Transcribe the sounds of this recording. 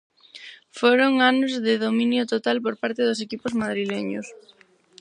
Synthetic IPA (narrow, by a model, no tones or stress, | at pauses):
foɾoŋanʊzðɪðomĩnjʊt̪ot̪alpoɾpaɾt̪ɪðʊsekipʊzmað̞ɾileɲʊ̰s